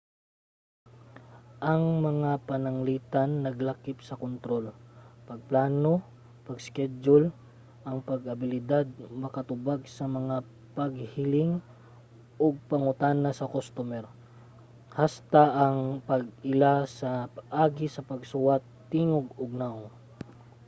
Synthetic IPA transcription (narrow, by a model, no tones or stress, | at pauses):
ʔɐŋmɐŋapɐnɐŋliːt̪ɐnːɐɡlakɪp̚sɐkont̪ɾo̞lpɐɡ̚plaːno | pɐɡskɛd͡ʒol | ʔɐŋpɐɡʔɐbɪlɪd̪ad̪̚mɐkɐt̪ʊbaɡsɐmɐŋa | pɐɡhɪlɪŋ | ʔoɡ̚pɐŋʊt̪aːnɐsɐkost̪omɛɾ | hast̪aʔɐŋpɐɡɪlasɐpɐʔaːɡɪsɐpɐɡsʊat̪ːiːŋoɡoɡ̚naw